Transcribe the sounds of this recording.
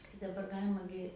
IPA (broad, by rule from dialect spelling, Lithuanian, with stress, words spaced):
kɐɪ dɐˈbɐr ˈɡɑːlʲɪmɐ ɡʲɪ